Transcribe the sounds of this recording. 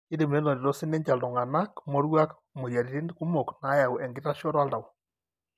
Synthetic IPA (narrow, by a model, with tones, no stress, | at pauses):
i˦ɾi˨me˨˦nɔ˨ɾi˨ɾɔ˦si˦nɛ˦ɲd͡ʒa˨lɔ˨ŋa˨na˦kmɔ˦ɾwa˦k | mo˨ja˨ɾi˨ɾi˦nku˦mo˨kna˨˦ja˨u˨ʔɛ˨ŋɡi˦ɾa˦ʃɔ˦ɾwa˦la˨wɔ˨